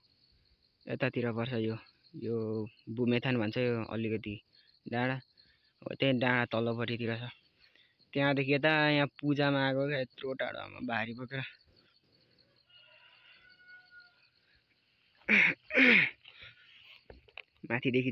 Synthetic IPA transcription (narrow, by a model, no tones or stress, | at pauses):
ḛt̪at̪iɾʌpʌrt͡sʰʌjo | jobʱumet̪ʰanbʱʌnt͡sʰʌjoʌ̰likʌt̪i | ɖãɽ̃a | ɦo̰t̪ẽɖãɽat̪ʌlopʌɾit̪iɾʌt͡sʰʌ | t̪eɦãd̪ekʰiet̪̬ajãpud͡zamaːɡoket̪roʈa̰ɽo̰a̰ma̰baɾipʌkeɾʌ | mãt̪ʰid̪ekʰi